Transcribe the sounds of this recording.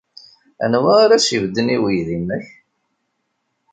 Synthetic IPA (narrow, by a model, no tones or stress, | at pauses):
æ̰nwæaɾæsivd̪ːəniwijðimːəç